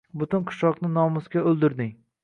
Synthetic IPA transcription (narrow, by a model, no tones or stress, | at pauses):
bʊt̪ɪnqʰɨ̥ʃɒqnɪnɒmʊskʲaɵlˠd̪ɪɾd̪ɪŋ